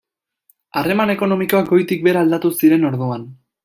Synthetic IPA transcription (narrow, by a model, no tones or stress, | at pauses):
are̞mane̞ko̞no̞miko̞ak̚ɡo̞jt̪ik̚be̞ɾaːld̪at̪usiɾe̞no̞ɾðuan